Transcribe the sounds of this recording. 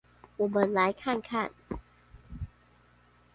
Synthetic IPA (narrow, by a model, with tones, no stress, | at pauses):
ʔu˨˧˩mɤː˧˩nlaː˨˦jkʰaː˥˩˨nkʰaː˥˩n